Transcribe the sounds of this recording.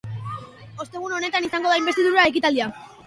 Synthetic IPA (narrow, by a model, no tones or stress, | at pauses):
o̞st̪e̞ɣ̞uno̞ne̞t̪anisaŋɡoðaimbe̞st̪iðuɾae̞kit̪ald̪ia